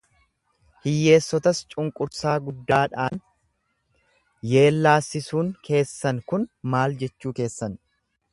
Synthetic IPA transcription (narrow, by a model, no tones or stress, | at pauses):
hɪjːe̞ːsːɔt̪ɐst͡ʃʼʊŋkʼʊɾsaːɡʊd̪ːaːᶑaːn | je̞ːlːaːsːɪsuːŋkʰe̞ːsːɐnkʊnmaːld͡ʒɛt͡ʃːuːke̞ːsːɐn